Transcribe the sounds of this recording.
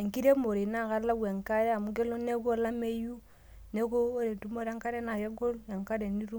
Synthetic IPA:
ŋ˨ki˦ɾe˦mo˨ɾi˨na˦˨ka˦la˦ɡwe˨ŋ˨ka˦ɾɛ˦a˨mu˨˦ɡe˦lo˦ne˦ɡo˦˨la˦me˦ju˦ | ne˦ko˦ɾe˨tu˦mo˦ɾa˦ŋka˦ɾe˦na˨je˦ɡo˦ɾe˨ŋka˦ɾe˨ni˦ɾu˦

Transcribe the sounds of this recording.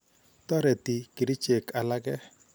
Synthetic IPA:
t̪ɔ˦ɾɛ˨tɪ˨kɪ˨ɾɪ˦t͡ʃe˨ka˨la˦ɡɛ˦

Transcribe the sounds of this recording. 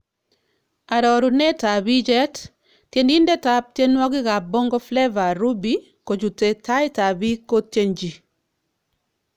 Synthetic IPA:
a˨ɾɔ˨ɾu˨nɛ˦ta˨bi˦d͡ʒɛ˦t | tje˨ni˦ndɛ˦ta˦p̚tje˦nwɔ˦ɡɪ˦ɣa˨bɔ˦ŋɡɔ˦flɛ˦va˨ɾu˦bi˦ | ko˨d͡ʒu˨te˨ta˦ɪ˦ta˨bi˦ko˦tje˦nd͡ʒi˨

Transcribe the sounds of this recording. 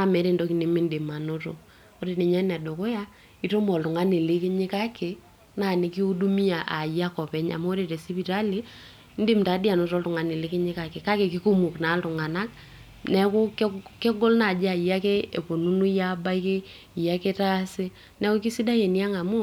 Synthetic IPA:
a˦mɛ˨˦ɾe˨ndo˦ki˨ni˨˦mi˦ndi˨ma˨no˦to̰˨ | o˦ɾe˨ne˨ɲa˦nɛ˨do˨ko˦ja˦ | i˨˦to˦mɔ˨ltʊ˨ŋa˦ni˨lɪ˦ke˦ɲɪ˦ka˦ke˨ | na˨ni˨ki˦u˦du˦mi˦a˨ʔa˨ja˦kɔ˨pɛ˦ɲa̰˨mo˦o˦ɾe˨ɾe˨si˦pi˨ɾa˦li˦ | n˦dɪ˦mta˨˦di˦a˨no˨˦ɾɔ˦ltʊ˨ŋa˨ni˨lɪ˦kɪ˦ɲɪ˦ka˦ke˨ka˦ke˨ki˦ku˦mu˨kna˨˦ltʊ˨ŋa˨na˦k̚ | nɛ˦kʊ˦kke˦ɡo˦lna˨d͡ʒa˨ja˦ke˦e˨po˨nu˦nu˦ja˦ba˦i˦ke˦˨ | ja˦ke˦ta˦sɪ˦ | nɛ˦ko˦ki˦si˦da˦je˨ni˦a˦ŋa˨mu˦

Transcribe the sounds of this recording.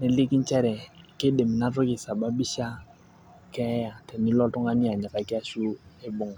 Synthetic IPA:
ne˨li˦ki˦n˦t͡ʃɛ˦ɾɛ˨kɪ˦de˨mi˨na˦tʊ˦kɪ˨sa˨ba˦bi˦ʃa˦ | kɛ˦ja˨tɛ˨ni˦lɔ˦tʊ˦ŋa˦ni˦a˨ɲɛ˨ka˨kɪ˦a˦ʃu˦e˦bʊ˨ŋ

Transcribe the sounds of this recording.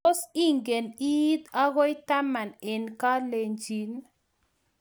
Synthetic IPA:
ɔ˦si˦ŋɡe˨ni˦t̪a˦ɣɔ˦jta˦ma˨nɛ˨nka˦le˨ɲd͡ʒi˨˦n

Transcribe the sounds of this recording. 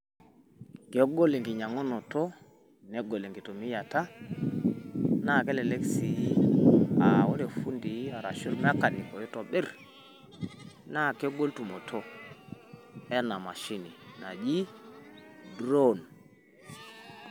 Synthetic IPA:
ke˨˦ɡo˦le˨ŋɡi˨ɲa˨ŋo˦no˨to˦ | ne˦ɡo˨le˨ŋɡi˨to˨mi˦ja˨ta˦ | na˦˨ke˦le˨le˦ksi˨ji˦a˨wo˦de˨fu˦ndi˨˦a˨ɾa̰˨ʃu˦ɾm˦a˦ka˨ni˨ko˨ji˦to˨ɓe˦˨ɾ | na˦˨ke˦ɡo˦ltu˨mo˨tʰo˦ | e˦na˨ma˨ʃi˦ni˨na˨d͡ʒi˦ | dɾo˦n

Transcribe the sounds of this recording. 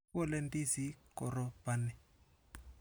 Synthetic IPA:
ɔ˦lɛ˦ndi˦zi˦kɔ˨ɾɔ˦b̥a˨ni˨

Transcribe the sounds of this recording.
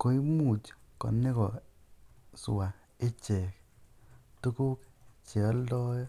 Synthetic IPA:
ko˨i˦mu˨t͡ʃkɔ̰˨ne˦kɔ˨ | sa˨ | e˦t͡ʃe˨k | tu˦ku˦kt͡ʃe˨ɔ˦lɔ˦jɔ˦

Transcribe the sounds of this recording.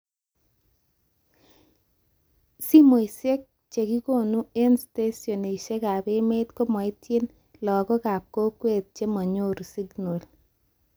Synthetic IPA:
si˦mo˨jse˦k̚ | t͡ʃe˨ki˦ko˦˨nu˦e˦nste˦sjo˨ne˨ʃe˦ka˨pe˦me˦t̪ko˦mɔ˨i˦te˦n | lɔ˨kɔ˦ka˨p̚ko˦kwe˦˨t̪̚t͡ʃe˦mɔ˨ɲo˦ɾsi˦ɡno˨l

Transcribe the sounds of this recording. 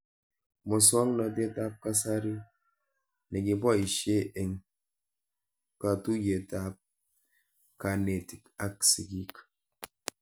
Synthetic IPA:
mɔ˨swa˦ŋna˨de˦ta˦p̚ka˦sa˦ɾi˦ | ne˨ɡi˨ba˦i˨ʃe˦ʔe˨ŋ | ka˨tu˦je˨ta˦p̚ | ka˨ne˨ti˨ka˦ksi˨ɡi˦k

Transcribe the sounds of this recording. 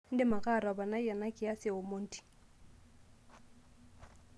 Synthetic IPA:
n̩˦dɪ˦ma˨ka˦˨ɾa˨ba˨na˦jɛ˨na˦kʼɪ˨a˦sɪ˨o˨mo˦n̩˦ti̥˨

